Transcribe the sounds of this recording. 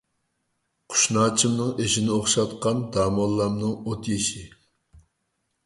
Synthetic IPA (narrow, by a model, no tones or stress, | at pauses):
qʰʊ̥ʃnɑːt͡ʃʰimnɨŋeʃinɪoχʃɑt̪qɑnd̪ɑːmɑlˠːɑmnɨŋot̪jeʃɪ